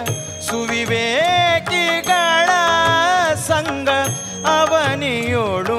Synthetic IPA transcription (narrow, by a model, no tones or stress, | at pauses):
suʋiʋeːkiɡaːɭɐ | sɐŋɡʱɐ | ɐʋɐnijoːɭu